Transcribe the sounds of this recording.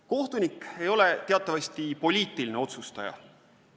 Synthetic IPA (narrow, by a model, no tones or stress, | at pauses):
ko̞ht̪unike̞jo̞le̞t̪e̞ɑt̪ːˑɑvɑsʲt̪ipo̞lʲiːt̪ːˑiline̞o̞t̪sust̪ɑjɑ̰